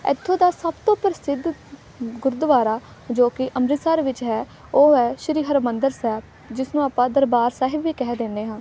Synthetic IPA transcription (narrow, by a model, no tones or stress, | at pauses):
ɛ̰t̪ʰːõːd̪aːsəbt̪õːpəɾɪsɪd̪ | ɡʊɾd̪əʋaːɾaː | d͡ʒoːkɪʔəmɾɪsaːɾʋɪt͡ʃɦɛː | oːɦɛːʃɾiːɦəɾmənd̪əɾsɛːb | d͡ʒɪsnũːaːpːãːd̪əɾbaːɾsaːɦɪbʋiːkɛːd̪eːnːeːɦãːn